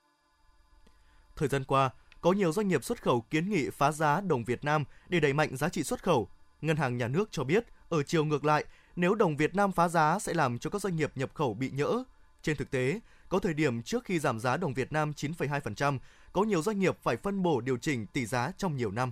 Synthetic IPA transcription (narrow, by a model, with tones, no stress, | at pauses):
t̪ʰəː˨˩jzaː˧nkwaː˧kɔ˨˦ɲi˨˩əwzwa˧ŋ̟ŋi˨˩əp̚swə˦˥t̚xə˧˩wki˨˦ənŋḭ˧˨faː˨˦zaː˨˦ɗə˨˩wŋ͡mvi˨˩ət̚naː˧mɗe˧˩ɗa˨˧˩jma̰˧˨jŋ̟zaː˨˦t͡ɕḭ˧˨swə˦˥t̚xə˧˩wŋə˧nhɦaː˨˩ŋɲaː˨˩nɨ˦˥ək̚t͡ɕɔ˧ɓi˦˥ət̚ʔəː˧˩t͡ɕi˨˩əwŋɨ˨˩ək̚la̰ː˧˨j | ne˨˦wɗə˨˩wŋ͡mvi˨˩ət̚naː˧mfaː˨˦zaː˨˦sɛ̰˧˥laː˨˩mt͡ɕɔ˧kaː˦˥k̚zwa˧jŋ̟ŋi˨˩əp̚ɲə˨˩p̚xə˧˩wɓḭ˧˨ɲə̰ː˧˥ | t͡ɕe˧nt̪ʰɨ˨˩k̚t̪e˨˦ | kɔ˨˦t̪ʰəː˨˩jɗi˧˩əmt͡ɕɨ˦˥ək̚xi˧zaː˧˩mzaː˨˦ɗə˨˩wŋ͡mvi˨˩ət̚naː˧mt͡ɕi˨˦nfə˨˧˩jɦaː˧jfə˨˩nt͡ɕa˧m | kɔ˨˦ɲi˨˩əwzwa˧jŋ̟ŋi˨˩əp̚faː˧˩jfə˧nɓo˧˩ɗi˨˩əwt͡ɕï˧˩ŋ̟t̪i˧˩zaː˨˦t͡ɕɔ˧wŋ͡mɲi˨˩əwna˧m